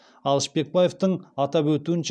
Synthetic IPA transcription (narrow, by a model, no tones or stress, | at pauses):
ɑlˠəʃpe̞k̚baje̞ft̪əɴɑt̪ɑpwɵt̪uɪnʃ